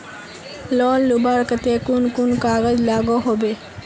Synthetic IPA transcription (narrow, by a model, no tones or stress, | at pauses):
lɔːlːʊbaːɾkət̪ekʊnkʊnkaːɡəd͡ʒlaːɡoɦoːbeː